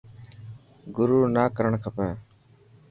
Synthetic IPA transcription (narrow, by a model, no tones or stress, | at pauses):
ɡʊɾuːnaːkəɾəɳkʰəpɛ̃ː